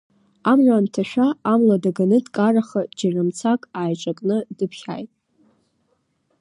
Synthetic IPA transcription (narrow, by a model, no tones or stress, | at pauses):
amʕʷaːntʰaʃᶣaːmladaɡanɨdkʼaraχad͡ʒaramt͡sʰakʼaːjt͡ʃʷʼakʼnɨdɨpʰχʲa̰jtʼ